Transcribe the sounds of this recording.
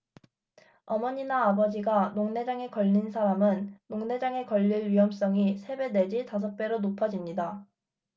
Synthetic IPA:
ʌmʌɲinaːbʌd͡ʑiɡanoŋne̞d͡ʑaŋe̞kʌʎːinsʰaɾamɯnːoŋne̞d͡ʑaŋe̞kʌʎːiɭɥiɦʌms͈ʌŋisʰe̞be̞ne̞d͡ʑitas̬ʰʌk̚p͈e̞ɾonopʰʌd͡ʑimɲida

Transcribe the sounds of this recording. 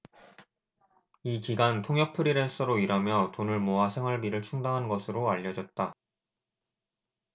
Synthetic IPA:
ikiɡantʰoŋjʌk̚pʰɯɾiɾens͈ɯɾoiɾamjʌtonɯɭmoasʰe̞ŋɦwaɭbiɾɯɭt͡ɕʰuŋdaŋɦanɡʌsʰɯɾoaʎːʌd͡ʑʌt̚t͈a

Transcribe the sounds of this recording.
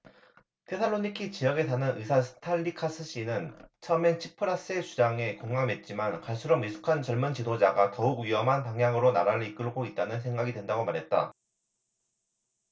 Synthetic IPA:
tʰe̞sʰaɭoɲikʰit͡ɕijʌɡe̞s̬ʰanɯnʔɯsʰasʰɯ̥tʰaʎːikʰas͈ʰɯɕ͈inɯnt͡ɕʰʌment͡ɕʰipʰɯɾas͈ɯe̞t͡ɕud͡ʑaŋe̞koŋːame̞t̚t͡ɕ͈imankaɭs͈ʰuɾomisʰu̥kʰant͡ɕʌɭmɯnt͡ɕidod͡ʑaɡatʌuɡɥiʌmɦanpaŋjaŋɯɾonaɾaɾɯɭik͈ɯɭɡoit̚t͈anɯns̬ʰeŋɡaɡidwe̞ndaɡomaɾɦe̞t̚t͈a̰

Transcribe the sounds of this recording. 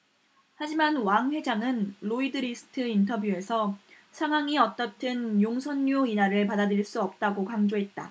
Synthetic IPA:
had͡ʑimanwaŋɸwe̞d͡ʑaŋɯnloidɯɾisʰɯ̥tʰɯintʰʌbjue̞sʰʌ | sʰaŋwaŋiʌt͈ʌt͈ʰɯnjoŋsʰʌnːuinaɾɯɭpadadɾiɭs͈uʌp̚t͈aɡokaŋd͡ʑoɦe̞t̚t͈a̰

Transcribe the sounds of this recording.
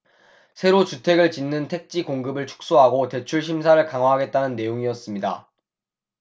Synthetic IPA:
sʰe̞ɾot͡ɕutʰe̞ɡɯɭt͡ɕinːɯntʰe̞k̚t͡ɕ͈ikoŋɡɯbɯɭt͡ɕʰu̥k̚s͈oɦaɡote̞t͡ɕʰuɭɕʰimsʰaɾɯɭkaŋɦwaɦaɡe̞t̚t͈anɯnːe̞joŋiʌs͈ɯmɲida̰

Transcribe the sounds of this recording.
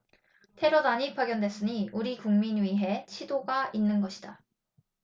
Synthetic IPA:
tʰe̞ɾodaɲipaɡjʌndwe̞s͈ɯɲiuɾikuŋminɥiɦe̞t͡ɕʰidoɡainːɯnɡʌɕʰi̥d̥a

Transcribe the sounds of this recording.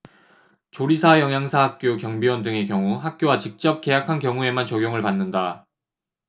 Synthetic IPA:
t͡ɕoɾisʰajʌŋjaŋsʰaɦak̚k͈jokjʌŋbiwʌndɯŋe̞kjʌŋuɦak̚k͈jowat͡ɕik̚t͡ɕ͈ʌp̚k͈e̞jakʰankjʌŋue̞mant͡ɕʌɡjoŋɯɭpanːɯnda

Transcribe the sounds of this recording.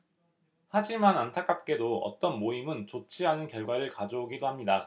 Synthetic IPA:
had͡ʑimanantʰak͈ap̚k͈e̞doʌ̰t͈ʌnmoimɯnt͡ɕot͡ɕʰiɦanɯnkjʌɭɡwaɾɯɭkad͡ʑooɡidohamɲida

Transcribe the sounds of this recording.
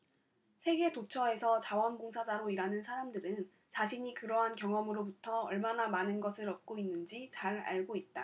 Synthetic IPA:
sʰe̞ɡe̞tot͡ɕʰʌe̞sʰʌt͡ɕawʌnboŋsʰad͡ʑaɾoiɾanɯnsʰaɾamdɯɾɯn | t͡ɕaɕʰiɲikɯɾʌɦankjʌŋʌmɯɾobutʰʌːɭmanamanɯnɡʌsʰɯɾʌp̚k͈oinːɯnd͡ʑit͡ɕaɾa̰ɭɡoit̚t͈a

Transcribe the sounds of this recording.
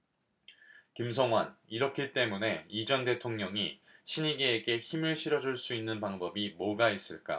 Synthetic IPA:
kimsʰʌŋɦwaniɾʌkʰit͈e̞mune̞id͡ʑʌnde̞tʰoŋɲʌŋiɕʰiɲiɡeːɡe̞çimɯɭɕʰiɾʌd͡ʑuɭs͈uinːɯnpaŋbʌbimoɡais͈ɯɭk͈a̰

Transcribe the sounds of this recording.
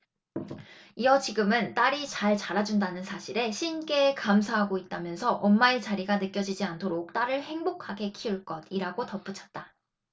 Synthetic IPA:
iʌt͡ɕiɡɯmɯnt͈aɾit͡ɕaɭt͡ɕaɾad͡ʑundanɯnsʰaɕʰiɾe̞ɕʰink͈e̞kamsʰaɦaɡoit̚t͈amjʌnsʰʌʔʌnmait͡ɕaɾiɡanɯk͈jʌd͡ʑid͡ʑiantʰoɾok̚t͈aɾɯɭhe̞ŋbokʰaɡe̞kʰiuɭk͈ʌdiɾaɡotʌp͈ut͡ɕʰʌ̥t̚t͈a

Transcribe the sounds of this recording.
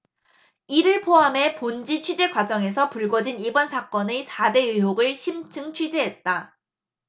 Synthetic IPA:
iɾɯɭpʰoɦame̞pond͡ʑit͡ɕʰɥid͡ʑe̞ɡwad͡ʑʌŋe̞sʰʌpuɭɡwʌd͡ʑinibʌnsʰak͈ʌnɯsʰade̞ɯɦoɡɯɭɕʰimt͡ɕʰɯŋt͡ɕʰɥid͡ʑeɦet̚t͈a

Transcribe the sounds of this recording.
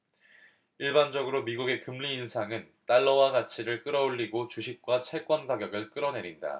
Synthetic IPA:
iɭband͡ʑʌɡɯɾomiɡuɡe̞kɯmʎiːnsʰaŋɯn | t͈aɭːʌwaɡat͡ɕʰiɾɯɭk͈ɯɾʌoɭːiɡot͡ɕuɕʰik̚k͈wat͡ɕʰek͈ʌnɡaɡjʌɡɯɭk͈ɯɾʌne̞ɾinda̰

